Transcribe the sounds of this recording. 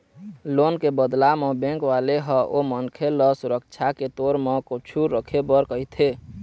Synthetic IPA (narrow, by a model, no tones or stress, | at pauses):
lonkebəd̪lamebẽŋkʋaleɦəʔomənkʰeləsuɾək̚t͡ʃʰaket̪oɾmekut͡ʃʰuɾəkʰebəɾkəɪt̪ʰe